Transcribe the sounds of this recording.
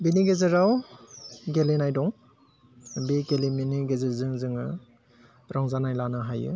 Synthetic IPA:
biniɡezɯɾaw | ɡelenajdɔŋ | biɡeleminiɡezɯzɯŋzɯŋɯ̰ | ɾaŋzanajlanɯɦajɯ̰

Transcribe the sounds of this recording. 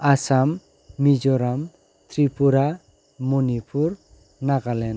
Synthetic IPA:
asamː | id͡ʒɔɾam | t̪ɾipuɾa | monipʰuɾ | naɡalɛn

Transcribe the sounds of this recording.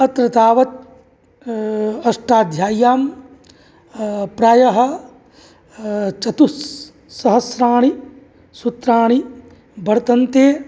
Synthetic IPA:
ɐt̪ɾɐt̪aːʋɐt̪̚ | ɐʂʈaːd̪ʱjaːjaːm | pɾaːjɐɦɐ̆ | t͡ʃɐt̪usː | ɐɦɐsɾaːɳ̃i | sut̪ɾaːɳi | bʱɐɾt̪ɐnt̪eː

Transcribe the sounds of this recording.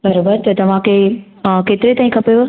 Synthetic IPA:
bɐɾobəɾt̪ɐt̪ɐʋ̤ãkʰeː | keːt̪ɪɾet̪aːĩkʰɐpejo

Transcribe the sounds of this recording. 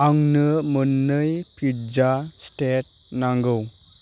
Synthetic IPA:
aŋnɯmənːɯjpʰid͡ʒastet̚ | naŋɡɯw

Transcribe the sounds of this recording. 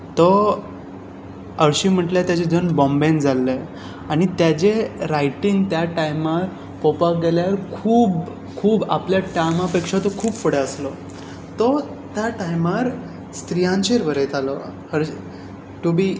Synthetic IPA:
t̪ɔ | əɾɕiːm̤əʈljat̪jat͡ɕed͡zənbɔ̃mbend͡zalːe | aɽ̃it̪jat͡ɕeɾajʈiŋɡt̪jaʈajmaɾ | pɔpaɡeljaɾkʰuːb | kʰuːba̰pljaʈajmapekʂat̪okʰuːpfəɽeəslɔ | t̪ɔ | t̪jaʈajmaɾ | st̪ɾijãnt͡ɕeɾbʱəɾet̪alɔhəɾ | ʈubiː

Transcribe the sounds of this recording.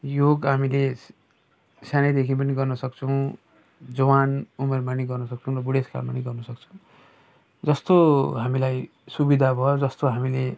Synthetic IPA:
joɡɦamile | sjanad̪ekʰip̬ʌniɡʌrnʌsʌk̚t͡sʰʌw̃ | d͡zʌwanumermaniɡʌrnʌsʌk̚t͡sʰʌw̃rʌbuɽeska̰lmaniɡʌrnʌsʌk̚t͡sʰʌ̃w̃ | d͡zʌst̪oɦamilaj | subid̪ʱabʱʌod͡zʌst̪oɦamile

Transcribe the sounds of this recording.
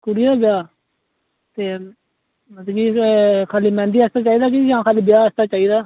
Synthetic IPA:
kʊɾid̪aːbɪjaː | t̪eː | mət̪ːɡiːkʰaːliːmɛ̃ːnd̪iːɛst̪aːt͡ʃaːiːd̪aːk̬ɪd͡ʒãːkʰaːliːbɪjaːəst̪aːt͡ʃaːiːd̪aː

